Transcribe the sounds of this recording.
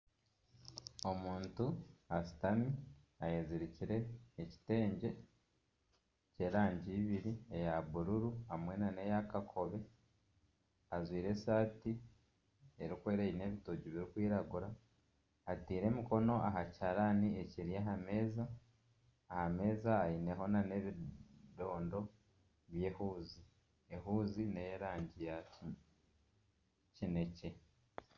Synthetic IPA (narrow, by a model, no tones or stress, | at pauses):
o̞muːntuasi̥tami | ajeziɾiciɾe̞ːci̥te̞ːɲɟe̞ | ce̞ːɾaːɲɟiːβiɾie̞jaβuɾuɾuamwe̞nane̞jakakʰo̞βe̞ | azwiːɾe̞saːti | eɾikwe̞ːɾejine̞ːβitoɟiβiɾikwiːɾaɡuɾaː | tiːɾe̞ːmiko̞no̞aɦacaɾanieciɾijaɦame̞ːzaː | hame̞ːzaːine̞ɦo̞nane̞βido̞ːndo̞ | βje̞ːhuːzi | ehuːzine̞jeɾaːɲɟija | cine̞ce̞